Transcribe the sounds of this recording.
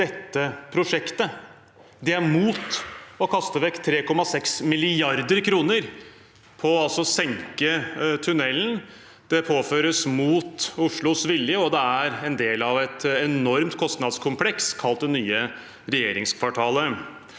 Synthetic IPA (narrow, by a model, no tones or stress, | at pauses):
d̪̥ɛt̪ːəpʰɾʊʂɛkt̪ə | d̪ɛæɾmuːt̪ɔkʰɑst̪əʋɛkːt̪ʰːɾeːkɔmːɑsɛksmɪlɪɑɾd̪əɾkʰɾuːnəɾ | pʰɔɑlsɔsɛŋkət̪ʰʉnɛln | d̪̥ɛpʰoːføːɾəsmuːt̪ʊʂɭʊsʋɪljəɔd̪ɛæɾɛnd̪eːlɑʋɛt̪ɛnɔɾmt̪kʰɔst̪nɑd̪skʰʊmpʰlɛkskʰɑlt̪̚d̪ɛnyːə | ɾɛjeːɾɪŋskʰʋɑʈʰɑːlə